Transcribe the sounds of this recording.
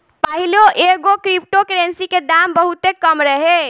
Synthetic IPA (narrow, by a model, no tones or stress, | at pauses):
pəɦiloʔeɡokɾip̚ʈokɾensiked̪ambəɦut̪ekəmɾəɦe